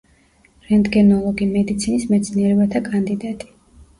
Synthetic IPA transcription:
ɾɛnd̪ɡɛnɔlˠɔɡimɛd̪it̪sʰinismɛt̪sʰniɛɾɛbat̪ʰakʼand̪id̪at̪ʼi̥

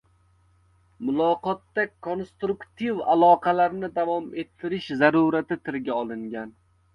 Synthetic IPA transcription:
mʊlˠɒqɒt̪ːakʰonst̪ɾʊkt̪ʰiva̰lˠɒqʰɑlaɾnɪd̪avɒme̞t̪ʰːɪɾɪʃzaɾuɾat̪ɪt̪ʰɪɾɡʲaɒlˠɪŋɡʲan

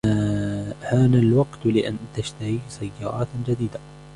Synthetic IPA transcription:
haːnalwɑɡt̪lɪʔant̪aʃt̪aɾisajːɑːɾˤʔɑ̰ːt̪d͡ʒad̪iːd̪a

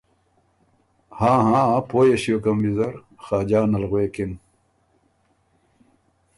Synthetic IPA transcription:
hãːɦãːpoːjeɕiokɐmbizɐɾ | xaːd͡ʑaːnɐlɣweːkin

